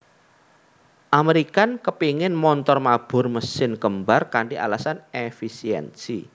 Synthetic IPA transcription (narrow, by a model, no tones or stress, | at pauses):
ʔameɾikankəpiŋɪnmɔnt̪ɔrmab̥ʊ̤rməsɪnkəmbarkaɳɖiʔa̰lasanefisiɛ̰nsi